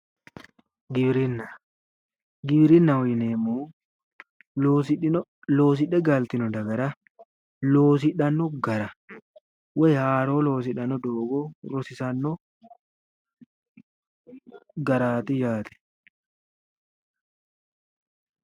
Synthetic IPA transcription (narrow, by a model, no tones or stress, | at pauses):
ɡɪbɾinːɐ | ɡɪbɾɪnːɐɔjneːmuː | loːs̬ɪᶑɛɡalt̪ɪnɔd̪ɐɡɐɾɐ | loːs̬ɪᶑɐnːɔɡɐɾɐ | wɛjhaːɾoːlo̞ːs̬ɪᶑɐnːɔd̪oːɡɔɾɔsɪsɐnːɔ | ɡɐɾaːt̪ɪd͡ʒaːt̪ɛ̥